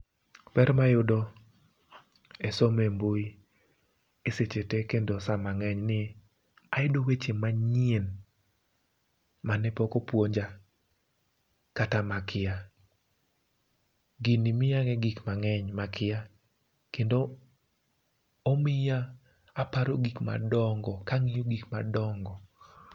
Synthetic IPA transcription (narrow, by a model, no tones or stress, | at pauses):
pɛɾmajʊdo | ɛsɔmemboi | eset͡ʃetekendosamaŋɛɲnɪ | aɪdowet͡ʃemaɲien | manɛpɔkopwoɲd͡ʒa | katamakʰɪja | ɡinɪmɪjaŋɛɡikmaŋɛɲmakʰɪja | kendo | mɪjaː | paɾoɡikma̰dɔŋɡɔkaŋijoɡikmadɔŋɡɔ